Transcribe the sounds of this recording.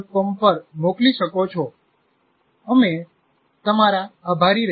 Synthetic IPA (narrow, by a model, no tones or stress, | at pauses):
kəmpəɾmokliʃəkot͡ʃʰɔ | əme | t̪əmaɾaːbʱaɾiɾ